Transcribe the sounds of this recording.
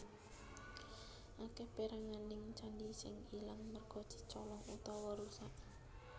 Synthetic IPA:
ʔakɛpeɾaŋanɪŋt͡ʃandisɪŋilaŋmərɡ̥ɔ̤̥d̪̥i̤̥t͡ʃɔlɔŋut̪ɔwɔɾusaʔ

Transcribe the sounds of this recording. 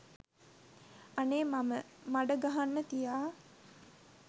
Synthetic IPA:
aneːmaməmaɖəɡaɦanːət̪ijaː

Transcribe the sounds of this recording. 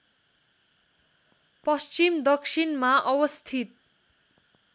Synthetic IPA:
pʌst͡ʃimd̪ʌksʰinmaʔʌwʌst̪ʰit̪̚

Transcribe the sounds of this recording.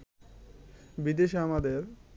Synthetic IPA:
bid̪eʃamad̪eɾ

